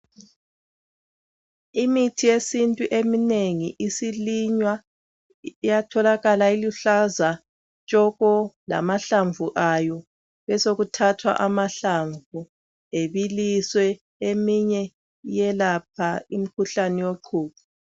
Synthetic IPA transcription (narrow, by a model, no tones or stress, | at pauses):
imitʰijesintʼuʔemineŋiʔisiliɲwa | ijatʰɔlaɣalailuɬaza | t͡ʃʼɔɣɔla̰maɬaɱvuʔajɔ | βɛsoɣutʰatʰwa̰ʔamaɬaɱvu | eβiliswɛ | emiɲɛ | jɛlap̚ʰaim̩kʰuɬaniwoǃʰuːpu